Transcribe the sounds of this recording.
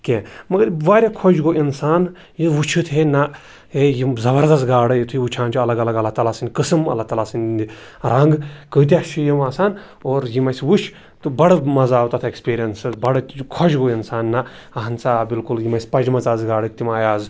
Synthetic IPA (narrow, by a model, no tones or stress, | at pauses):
kʲẽːmɐɡɐɾʋaːɾʲakʰod͡ʒɡoʔinsaːn | jiʋut͡ʃʰɨt̪ʰenɐ | ejizɐbɐɾd̪ɐsɡaːɽɨjit̪ʰuiʋut͡ʃʰaːnt͡ʃʰuɐlɐɡɐlɐɡɐlat̪alaːsɨnʲkɨsɨmɐ̰lat̪ɐlaːsɨnʲnd̪iɾɐŋɡkəːt̪̬ʲaʃijɐmaːsaːn | oːɾjimɐsʋut͡ʃʰ | t̪ubɐɽmɐzaːwt̪ɐt̪ʰekspiːɾijɐnsbɐɽkʰod͡ʒɡoinsaːnːɐ | ɐɦɐnt͡saːbilkuljimɐsʲpɐd͡ʒmɐt͡saːzɡaːɽɨt̪imaːjaːz